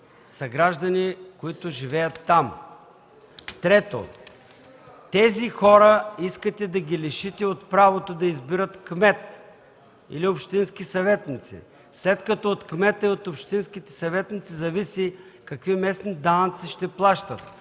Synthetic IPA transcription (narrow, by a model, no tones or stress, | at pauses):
sɐɡɾaʒd̪ɐnikoit̪ʊʒivɛjɐt̪ːam | t̪ɾɛt̪o̰ | t̪ɛzixɔɾəiskət̪ɛd̪ɐɡʲilɛʃit̪ɛot̪pɾavot̪od̪ɐizbiɾət̪kmɛt̪ | ḭliopʃt̪insk̟isɐvɛt̪nit̪sḭ | slɛt̪kɐt̪ɔot̪kmɛt̪əiot̪opʃt̪inskit̪ɛ̥sɐvɛt̪nit̪sizɐvisikɐkvimɛsnid̪ant̪siʃt̪ɛplˠaʃt̪ɐt̪